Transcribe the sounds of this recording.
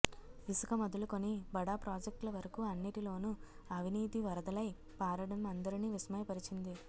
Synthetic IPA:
ʋisukɐmɐd̪uluko̞nibɐɽaːpɾaːd͡ʒek̚ʈlɐʋɐɾɐkuɐnːiʈilo̞ːnu | ɐʋʱiniːt̪iʋɐɾɐd̪ɐlɐj | paːɾɐɽɐmɐnd̪ɐɾiniːʋisɐmɐjpɐɾit͡ʃind̪i

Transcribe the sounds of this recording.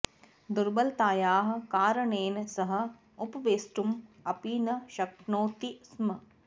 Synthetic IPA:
d̪uɾbɐlt̪aːjaːɦɐ̆kaːɾɐɳeːnsɐɦɐ̆ | ʊpʋeːsʈumɐpiːnɐʃɐkɳoːt̪ismɐ

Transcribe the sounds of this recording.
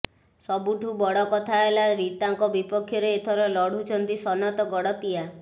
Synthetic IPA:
sɔbuʈʰubɔɽɔkɔt̪ʰaelaɾit̪aŋkɔbipɔkʰːjɔɾeet̪ʰɔɾɔlɔɽ̤ut͡ʃʰɔnt̪isɔnɔt̪ɔɡɔɽɔt̪ia

